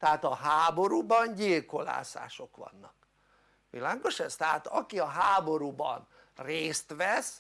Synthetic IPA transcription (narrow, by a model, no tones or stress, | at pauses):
t̪ɛaːt̪ɒɦaːbo̞ɾubɒnɟilko̞la̰ːsa̰ːʃo̞kʋɒ̰nːɒk̚ | ʋilaːɡo̞ʃɛst̪ɛɦat̪ɒkiɒɦaːbo̞ɾubɒ̰n | reːst̪ʋɛs